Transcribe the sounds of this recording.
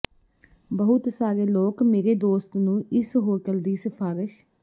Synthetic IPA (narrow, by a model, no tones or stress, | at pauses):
bəɦʊt̪saːɾeːloːkmeːɾeːd̪oːst̪nũːʔɪsɦoːʈəld̪iːsəpʰaːɾɪʃ